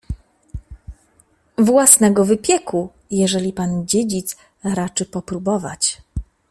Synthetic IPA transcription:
vwasnɛɡɔvɘpʲjɛku | jɛʐɛlʲipand͡ʑed͡ʑit̪s | ɾat͡ʂɘpɔpɾubɔva̰t͡ɕ

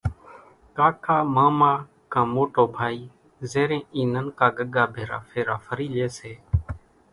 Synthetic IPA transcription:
kaːkʰaːmaːmaː | kãːmoːʈoːbʱaːiː | zeːɾẽːiːnənkaːɡəɠaːbʱeːɾa̰ːfʰeːɾaːfʰəɾiːleːseː

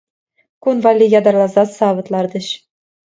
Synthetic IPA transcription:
kunvɑlʲːijɑd̪ɑrlˠɑzɑsɑʋɤ̆t̪lˠɑrd̪ɤ̆ɕ

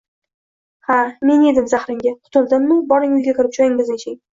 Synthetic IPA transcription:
hame̞ne̞d̪ɪmzahɾɪŋɡʲaqʰʊ̥t̪ʰʊlˠd̪ɪmːʊbɒɾɪŋʊjɡʲakʲʰɪɾɪp̚d͡ʒɒjɪŋɪzet͡ʃʰɪŋ

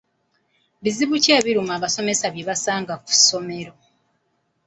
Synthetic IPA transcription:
βiziβuce̞ːβiɾumaːβaso̞me̞saβjeβasaːŋɡaku̥so̞me̞ɾo̞

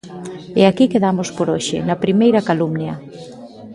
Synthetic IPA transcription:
ɛakikeðamospoɾoʃɪ̰nɐpɾimejɾɐkalumnjɐ

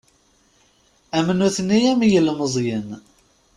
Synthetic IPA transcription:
æmənuθənːijæmjəlməzˤjən

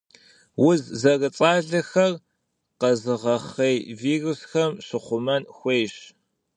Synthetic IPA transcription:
wʊzzɐrɨt͡sʼaːɮɐxɐr | qɐzɨʁɐχejviːrʊsxɐmɕɨχʷʊmɐnxʷejɕ

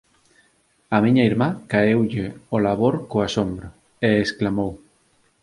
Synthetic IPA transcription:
amĩɲɐiɾmakaewʎɪolaβ̞oɾkoasombɾɐ | eːsklamow

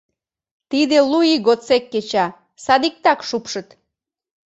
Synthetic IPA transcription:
t̪id̪eluiɣot͡sekːet͡ɕɑ | sɑd̪ik̚t̪ɑkʃupʃə̆t̪

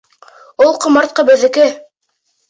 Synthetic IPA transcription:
ulˠqɤ̆mɑɾt̪̚qɤbɘ̆ðɘ̆kɘ

